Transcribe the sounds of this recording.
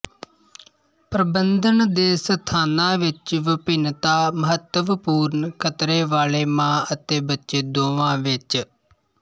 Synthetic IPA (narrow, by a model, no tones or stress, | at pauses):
pɾəbənd̪ənd̪eːsət̪ʰaːnãːʋɪt͡ʃʋəpɪnt̪aːməɦət̪ːəʋpuːɾnkʰət̪ɾeːʋaːleːmãːət̪eːbətːʃeːd̪oːʋãːʋɪt͡ʃ